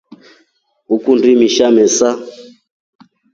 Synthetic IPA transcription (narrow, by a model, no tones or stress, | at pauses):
ukundimiʃamɛsa